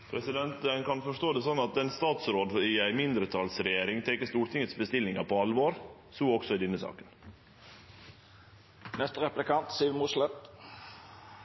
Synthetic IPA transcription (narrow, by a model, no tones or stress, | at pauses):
pʰɾɛsɪd̪ɛnt̪ənkʰɑnfɔʂʈ̪oːd̪ɛːsɔnːɑt̪̚d̪ɛnst̪ɑːt̪sɾoːd̪ɪæɪmɪnd̪ɾət̪ʰɑlsɾɛjeːɾɪŋt̪ʰɛkːəʂst̪uːɾʈ̪ʰɪŋət̪sbəst̪ɪlːɪŋɑpʰɔɑlʋoːɾ | suːɔksɔɪd̪ɛnːəsɑ̰ːkən | nɛst̪əɾɛplɪkɑnt̪siːmʊslɛt̪